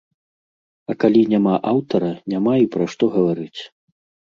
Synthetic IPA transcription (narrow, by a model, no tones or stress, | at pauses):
ɐkalʲinʲamaʔawt̪ɐɾɐnʲamaipɾɐʂt̪ɔɣɐvaɾɨt͡sʲ